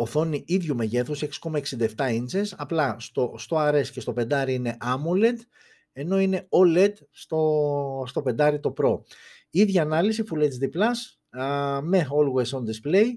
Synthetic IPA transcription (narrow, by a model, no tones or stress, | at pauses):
oθo̞niʔiðʝume̞ʝe̞θuseksi̥ko̞mɐeksind̪ɐeft̪ɐinzesɐplɐst̪ost̪o̞ɐɾe̞sce̞st̪o̞pe̞nd̪ɐɾiine̞ʔɐmole̞t̪ | e̞no̞ine̞oled̪ | st̪ost̪o̞pe̞nd̪ɐɾit̪o̞pɾo̞ | iðʝɐːnɐlisifule̞t̪zðiplɐs | me̞olwesond̪isple̞j